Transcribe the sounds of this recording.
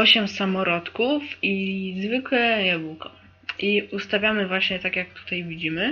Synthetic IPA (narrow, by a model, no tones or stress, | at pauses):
ɔɕɛmsamɔɾɔt̪kufizvɘkwɛjabukɔ | ʔiust̪avʲjamɘvwaɕɲɛt̪akʲjak̚t̪u̥t̪ajvʲid͡ʑimɘ